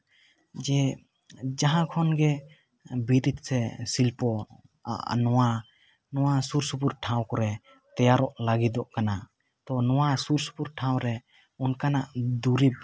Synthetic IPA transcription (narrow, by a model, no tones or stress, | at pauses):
d͡ʒɛ | d͡ʒaɦãkʰɔnɡɛ | biɾit̪̚sɛsilpɔ̰ | nɔwa | nɔwasuɾsupuɾʈʰãw̃kɔɾɛ | t̪ɛjaɾɔʔlaɡid̪ɔʔkana | t̪ɔnɔwasuɾsu̥puɾʈʰaw̃ɾɛ | unkanaʔd̪uɾib̚